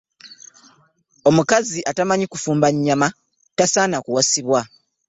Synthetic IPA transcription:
o̞mukaziʔatamaɲikufuːmbaɲːama | tasaːnakuwasiβwa

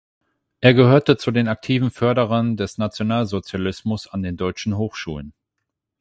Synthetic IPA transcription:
ʔeːɐɡəhøːɐtət͡sudeːnak̚tʰiːvn̩fœɐɾəʁɐndɛsnat͡sjonaːlzot͡sjalɪsmʊsandeːndɔʏt͡ʃn̩ɦoːxʃṵːlə̰n

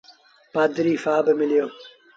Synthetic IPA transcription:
paːd̪ɾiːfaːbmɪlijoː

